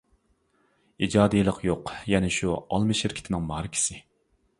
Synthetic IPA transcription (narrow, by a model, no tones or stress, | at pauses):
id͡ʒɑːd̪ijlˠəqʰjoqjɛnɪʃuɑ̰lˠmɨʃɪɾkʲʰɪ̥t̪ʰɪnɪŋmɑhɾɪkʲʰɪ̥sɪ